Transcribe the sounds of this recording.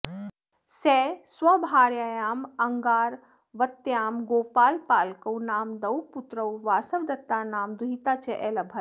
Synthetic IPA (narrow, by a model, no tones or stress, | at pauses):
seswɐbʱaːɾjaːjaːmɐŋɡaːɾ | ʋɐt̪jaːmɡoːpaːlpaːlkɐwnaːmd̪ɐwput̪ɾɐwʋaːsɐʋd̪ɐt̪ːaːnaːmd̪uɦit̪aːt͡ʃeʔeːlɐbʱɐl